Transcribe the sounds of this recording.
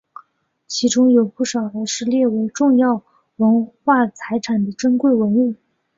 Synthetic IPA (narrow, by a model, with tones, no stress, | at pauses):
t͡ɕʰi˧˥ʈ͡ʂʊ˥ŋjo˨˩ʊpu˥˩ʂɑ˨˩ʊd̪ə˦ʂɻ̩˥˧ljɛ˥˩we˧˥ɪʈ͡ʂʊ˥˧ŋjɑ˥˩ʊ | wə˧˥nxwa˥˩t͡sʰa˧˥ɪʈ͡ʂʰa˨˩nd̪ə˦ʈ͡ʂə˥nkwe˥˩ɪwə˧˥nu˥˩